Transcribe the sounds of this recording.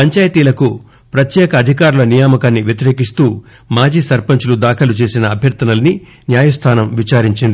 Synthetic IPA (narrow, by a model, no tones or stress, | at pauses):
pɐɲt͡ʃaːjɐt̪iːlɐku | pɾɐt̪jɛːkɐːd̪ʱikaːɾulɐnijaːmɐkaːnːiʋjɐt̪iɾe̞ːk̬ist̪uː | maːd͡ʒiːsɐɾpɐɲt͡ʃulud̪aːkʰɐlut͡ʃe̞ːsinɐːbʱjɐɾt̪ɐnɐlɐni | njaːjɐst̪ʰaːnɐmʋit͡ʃaːɾiɲt͡ʃind̪i